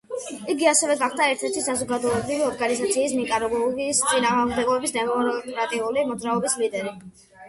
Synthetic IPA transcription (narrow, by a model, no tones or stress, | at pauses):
iɡiasɛvɛɡaχd̪aɛɾt̪ʰɛɾt̪ʰisazɔɡad̪ɔɛbɾiviɔɾɡanizat̪sʰiːsnikʼaɾɔɡɔɡist̪sʼinaːʁʁmd̪ɛɡɔbɛbisnɛvɾɔt̪ʼɾat̪ʼiulimɔd̪zɾaɔbislid̪ɛɾi